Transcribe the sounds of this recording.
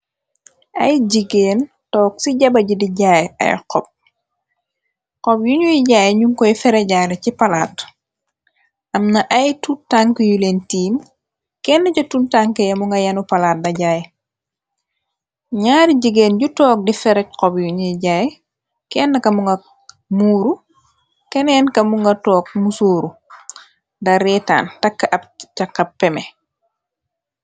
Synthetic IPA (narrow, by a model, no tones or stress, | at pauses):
ʔɐ̰jɟiɡeːn | tɔːk̚siɟɐbɐɟidiɟajɐ̰jqɔp̚ | qɔpjuɲujiɟaːjɲuŋkɔjfɛɾɛɟaːlɐcipɐlaːt̚ | ʔɐmnɐʔɐjtuntaŋkəjuleːntiːm | kɛːnːɐcɔtuntaŋkɐjɐmuŋɡɐjɐnupɐlaːt̚dɐɟaːj | ɲaːɾiɟiɡeːnɟutɔːk̚difɛɾɛc̚qɔbjuɲiɟaj | kɛːnːɐkɐmuŋɡɐ | muːɾu | kɛnɛːnkɐmuŋɡɐtɔːk̚musoːɾu | dɐɾɛːta̰ːntɐkːɐʔɐt͡ʃɐkːɐppːɛmɛ